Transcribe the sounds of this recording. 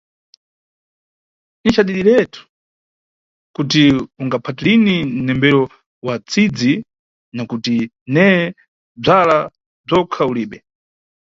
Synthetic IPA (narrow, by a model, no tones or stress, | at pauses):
nit͡ʃaɗiɗiɾɛtʰu̥ | kutiuŋɡapʰatilinin̩nɛmbɛɾɔ | wat͡sʰid͡zi | nakuti | nɛ | b͡ʐala | b͡ʐɔkʰauliːɓɛ